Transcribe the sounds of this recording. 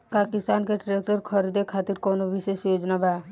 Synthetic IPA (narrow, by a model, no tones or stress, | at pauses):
pakɪst̪aːnkeʈɾek̚ʈəɾkʰɔɾid̪ekʰaːt̪iɾkɔnobʱiʃesjoːd͡ʒnaba